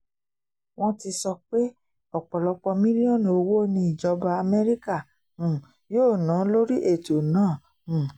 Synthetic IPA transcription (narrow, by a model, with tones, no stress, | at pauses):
w̃ɔ̃˦ti˧sɔ˧k͡pe˦ | ɔ˨k͡pɔ˨lɔ˧k͡pɔ˧mĩ˦li˦ɔ̃˦˨n˨o˧wo˦nĩ˧˦i˨d͡ʒɔ˨˧ba˧a˧mɛ˦ɾi˦kã˦˨ | joː˦˨nã˨˦lo˦ɾi˦ʔe˦˨to˨nãː˦˨